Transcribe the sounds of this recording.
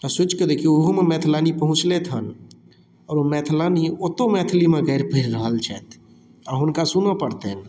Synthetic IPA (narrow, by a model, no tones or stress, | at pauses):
t̪əsʊt͡ʃkəɾekioɦomemɛːt̪ʰlaːnipəɦʊ̃t͡ʃlet̪ʰən | ɔːɾomɛːt̪ʰlaːniot̪omɛːt̪ʰlimẽɡɛɪɾpʰiɾɾəɦəlt͡ʃʰɛːt̪ʰ | ɔɾɦʊnkasunapəɽt̪eɦn